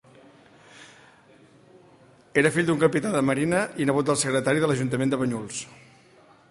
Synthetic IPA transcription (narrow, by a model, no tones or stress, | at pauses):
eɾəfiʎd̪uŋkəpit̪aðəməɾinəinəɣ̞ut̪̚d̪əlˠsəɣɾət̪aɾiðələʒunt̪əmend̪əβəɲulˠs